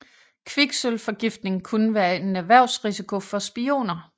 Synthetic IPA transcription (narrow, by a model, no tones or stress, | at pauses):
kʰʋiɡ̥sølfɒ̽ɡ̥ifd̥ne̝ŋŋ̩kʰunəʋæːɐe̝næʋæɐ̰ʊsʁisikʰo̝fɒ̽sb̥io̝̰ːnɐ